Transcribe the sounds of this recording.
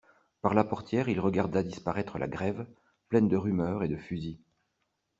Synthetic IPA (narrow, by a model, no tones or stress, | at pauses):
paʁlapɔʁt̪jɛːʁilʁəɡaʁd̪ad̪ispaʁɛt̪χəlʔa̰ɡʁɛv | plɛnd̪əʁymœʁed̪əfyzi